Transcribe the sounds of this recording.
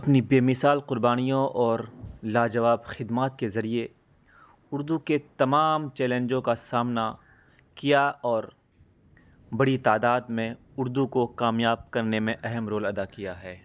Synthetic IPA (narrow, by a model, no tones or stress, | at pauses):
ɐpnibeːmɪsaːlqʊɾbaːnijõʔɔːɾlaːd͡ʒɐʋaːbxɪd̪maːt̪̚kezɐɾie | ʊɾd̪uket̪ɐmaːmt͡ʃɛːlẽɲd͡ʒõkasaːmna | kijaɔːɾ | bɐɽit̪aːd̪aːd̪mẽ | ʊɾd̪ukokaːmjaːb̚kɐɾnemẽʔɛɦɛmɾoːlɐd̪akijaɦɛː